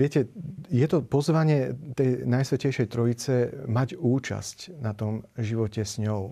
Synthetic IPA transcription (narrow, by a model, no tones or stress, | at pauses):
ɪɛcɛjɛt̪ɔpɔzʋaɲɪɛt̪ɛjnajsʋɛcɛjʃɛjt̪ɾɔit͡sɛmaɟuːt͡ʃa̰scnat̪ɔmʒiʋɔcɛsɲɔʊ